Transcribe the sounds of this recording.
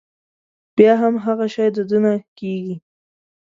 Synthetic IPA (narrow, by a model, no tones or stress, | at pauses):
b̥jɑɦamɦaɣaʃɑjd̪əd̪ənakeɡi